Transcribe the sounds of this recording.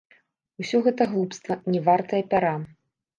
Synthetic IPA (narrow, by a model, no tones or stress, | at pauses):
usʲɔɣɛt̪ɐɣlˠupst̪vɐnʲɛvart̪ɐjɐpʲaɾa